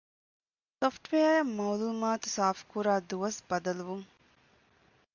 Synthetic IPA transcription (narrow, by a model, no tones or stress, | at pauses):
sofʈʋeːɐjɐmɐwluːmaːt̪u̥saːfkuɾaːd̪uʋɐsbɐd̪ɐluʋuŋ